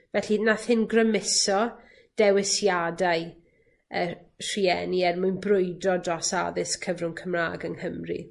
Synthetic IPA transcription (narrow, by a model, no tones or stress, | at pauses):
vɛɬinaθhɪnɡrəmɪsɔ | d̥ɛwɪsjadaj | ə | r̥iɛniɛrmʊjnbrʊjdɔdrɔsa̰ðɪskʰəvrʊŋkʰəmra̰ːɡəŋhəmrḭ